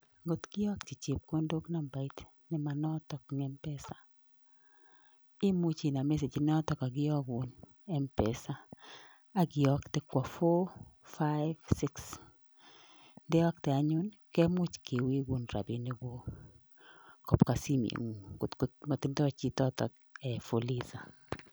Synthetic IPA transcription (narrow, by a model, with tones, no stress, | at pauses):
ɡo˨t̪kɪ˦ɔ˦kt͡ʃi˨t͡ʃe˨p̚ko˦ndo˦kna˨mba˨i˦t | nɪ˦ma˨nɔ˦tɔ˨kŋɛ˦mpɛ˦sḁ˨ | ɪ˦mʊ˦t͡ʃi˨na˨mɛ˦s̬e˨d͡ʒi˨nɔ˦tɔ˨ka˨ɡɪ˦ɔ˦ɡʊ˨n | ɛ˦mpɛ˨sa˦ | a˦ɡɪ˨ɔ˦ktɪ˦kwa˨fɔ˦fa˦ɪvsɪ˦ks | ndɛ˦ɔ˦k̚tɛ˨a˨ɲʊ˦n | kɛ˦mʊ˦t͡ʃke˨wi˦ɡu˦nɾa̰˨bi˦ne˦ɡo˦ | kɔ˨pka˨si˦mḛ˨ŋu˨ɡo˨tko˦tmo˨tɪ˦ntɔ˦t͡ʃi˦tɔ˦tɔ̰˨k | ɛ˨fo˨li˦za˨